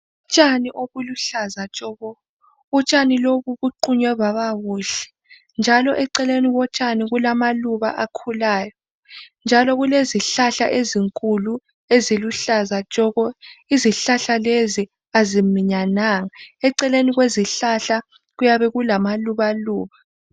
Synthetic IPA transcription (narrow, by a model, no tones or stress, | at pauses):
ut͡ʃʼaniʔoɣuluɬazat͡ʃʼɔɣɔ | ut͡ʃʼaniloβuβuǃuɲwɛβaβaɣuːɬɛ̥ | nd͡ʒʱalɔʔɛǀɛleniɣɔt͡ʃʼaniɣulamaluβa̰ʔakʰulaːjɔ | nd͡ʒʱalɔɣuleziɬaɬa̰ʔeziŋkʼulu | eziluɬazat͡ʃʼɔɣɔiziɬaɬalezi | azimiɲanaŋaɛǀɛleniɣweziɬaɬa | ɣujaβɛɣulamaluβaluːβa